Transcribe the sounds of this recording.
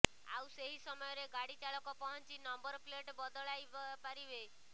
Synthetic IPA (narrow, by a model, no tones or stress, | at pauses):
a̰wseɦisɔmɔjɔɾeɡaɽit͡ʃaɭɔkɔpɔɦɔnt͡ʃinɔmbɔɾpleʈbɔd̪ɔɭajbapaɾibe